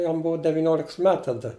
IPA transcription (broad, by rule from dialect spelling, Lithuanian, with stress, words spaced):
ˈjɛm ˈbuɔ dʲɛʋʲɪˈnʲoːlʲɪks ˈmʲɛt tɐˈdɐ